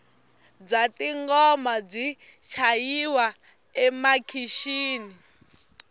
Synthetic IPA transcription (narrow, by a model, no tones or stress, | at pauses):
b͡ʐʷatiŋɡɔmab͡ʐʷi | t͡ʃʰajiwa | ɛmakʰiʃiːni